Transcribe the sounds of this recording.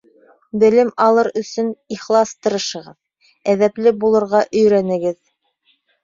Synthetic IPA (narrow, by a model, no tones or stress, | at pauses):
bɘ̆lɘmɑlˠɤɾɵ̆sɵniχlˠɑst̪ɤ̆ɾɤ̆ʃɤ̆ʁɤð | æðæplɘbulˠɤ̆ɾʁɑʔɵ̆jɾænɘ̆ɡɘð